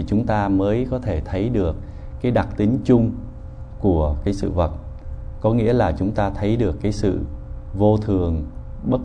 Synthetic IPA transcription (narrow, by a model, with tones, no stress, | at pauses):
t͡ɕʊ˨˦ŋ͡mt̪aː˧məː˨˦jkɔ˨˦t̪ʰe˧˩t̪ʰə˨˦jɗɨ˨˩ək̚ː | aː˨˦jɗa˨˩t̚t̪ï˨˦ŋ̟t͡ɕʊ˧ŋ͡m | ku˧˩əkaː˨˦jsɨ̰˧˨və˨˩t̚kɔ˨˦ŋḭ˧˥əlaː˨˩t͡ɕʊ˨˦ŋ͡mt̪aː˧t̪ʰə˨˦jɗɨ˨˩əkːaː˨˦jsɨ̰˧˨vo˧t̪ʰɨ˨˩əŋ | ɓə˦˥t̚